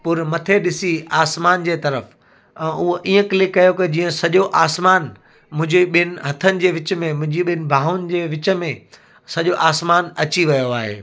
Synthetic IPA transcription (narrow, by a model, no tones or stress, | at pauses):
pʊɾmɐt̪ʰeɗɪsiaːsmaːnd͡ʑeːt̪ɐɾəf | ɛ̃ːʊɦoʔiːə̃kɪlɪkːɐjokɐd͡ʑiːə̃sɐʄoʔaːsmaːn | mʊ̃ɦɪ̃ɲd͡ʑiɓɪnɪ̆ɦɐt̪ʰənɪ̆d͡ʑeːʋɪt͡ɕmẽmʊ̃ɦɪ̃ɲd͡ʑiɓɪnɪ̆bʱaːʊnɪ̆d͡ʑeːʋɪt͡ɕə̆mẽ | sɐʄoʔaːsmaːnɐt͡ɕiʋɐjoaːɦḛː